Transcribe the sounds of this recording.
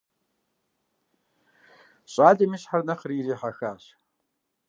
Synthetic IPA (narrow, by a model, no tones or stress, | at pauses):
ɕʼaːɮɐmiːɕħarnɐχəriːriːħaxaːɕ